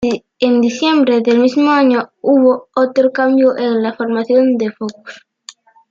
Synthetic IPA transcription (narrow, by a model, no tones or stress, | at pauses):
end̪iθjembɾeðelmizmoaɲouβ̞oot̪ɾokambjoʔeŋlafoɾmaθjond̪efoku̥s